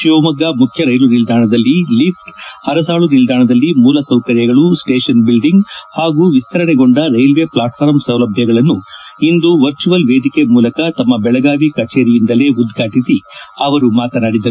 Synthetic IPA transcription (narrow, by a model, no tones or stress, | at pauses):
ʃiomɐɡːamukʰjɐɾɐjlunild̪ʱaːɳɐd̪ɐlːilipʈhɐɾɐs̬aːɭunild̪ʱaːɳɐd̪ɐlːimuːlɐsɐwkɐɾjɐɡɐɭusʈeːʂɐnbilɖiŋɡhaːɡuːʋist̪ɐɾɐɳeɡo̞ɳɖɐɾɐjlʋe̞ːplaːʈpʰaːɾmsɐwlɐbʱjɐɡɐɭɐnːuind̪uʋɐɾt͡ʃuʋɐlʋe̞ːd̪ikemuːlɐkɐt̪ɐmːɐbɛɭɐɡaːʋikɐt͡ʃeːɾijind̪ɐle̞ːud̪ɡʱaːʈisiɐʋɐɾumaːt̪ɐnɐɽid̪ːɐ